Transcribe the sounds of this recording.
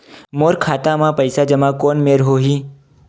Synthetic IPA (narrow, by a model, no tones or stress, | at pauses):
moːɾkʰaːt̪ãmãpəɪsad͡ʒəmãkoːnmeːɾɦoːɦiː